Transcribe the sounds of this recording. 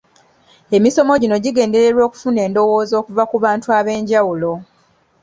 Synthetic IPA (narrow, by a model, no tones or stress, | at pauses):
e̞miso̞mo̞ɟino̞ɟiɡe̞ːnde̞ɾe̞ɾwo̞ːku̥fune̞ːndo̞wo̞ːzo̞ːkuvakuβaːntuaβe̞ːɲɟawulo̞